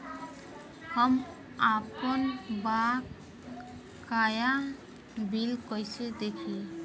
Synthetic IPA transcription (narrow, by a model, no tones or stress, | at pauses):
hɔm | apɔnbak | kːaja | bilkɔjsɯd̪ekʰi